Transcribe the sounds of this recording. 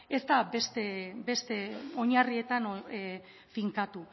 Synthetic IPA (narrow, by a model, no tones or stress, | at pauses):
e̞zt̪abe̞st̪ebe̞st̪e̞o̞ɲarie̞t̪an | fiŋkat̪u